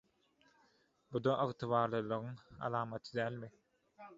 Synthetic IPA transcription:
bud̪oʔɯɣt̪ʰɯβɑːɾlˠɯlˠɯɣɯŋɑ̰lˠɑːmɑt̪ʰɯd̪æːlʲmi

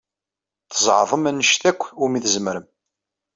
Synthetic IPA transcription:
θəzˤʕðˤəmænːəʃθækʷːʊmiθəzəmɾəm

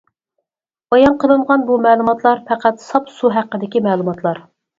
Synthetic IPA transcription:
bɑjɑnqʰəlˠɨɴʁɑnbumɛːlˠumɑt̪lˠɑɾpʰɛqæt̪sɑpsuɦæqːəd̪ɪkʲimɛːlˠumɑt̪lˠɑɾ

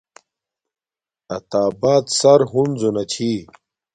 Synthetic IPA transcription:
ɐt̪aːbaːt̪sɐɾɦunzunɐt͡ɕʰiː

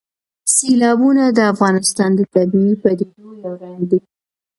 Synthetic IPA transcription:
selɑbunad̪əafɣɑnɪst̪ɑnd̪ət̪ab̪mipəd̪elojawɾɑnd̪i

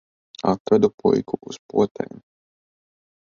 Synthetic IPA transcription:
at̪ɾad̪upujkʰuʔuspṵɔt̪ɛ̰ːm

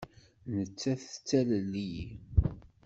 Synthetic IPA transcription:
nət͡sːæθt͡sːæləlːiji

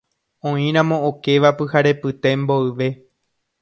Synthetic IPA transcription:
õĩɾ̃ãmõ̞oke̞ʋapɨhaɾe̞pɨt̪e̞mbo̞ɨʋe̞

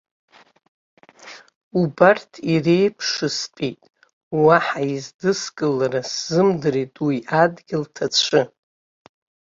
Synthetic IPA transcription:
ubartʰirejpʰʂɨspʼejtʼ | waħaizdɨskʼɨlaɾaszɨmdɨretʼwiʔadɡʲɪltʰat͡ʃʷʰɨ

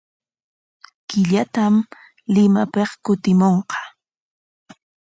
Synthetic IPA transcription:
kɪʎat̪am | lɪmapeχkʊt̪ɪmoɴqɑ̥

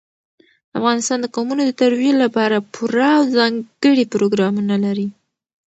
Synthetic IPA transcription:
d̪a̰fɣɑnɪst̪ɑnd̪əkɑmunod̪ət̪aɾwjelapɑɾapʰuɾaːwzɑŋɡəɽipɾoɡɾɑmunalaɾi

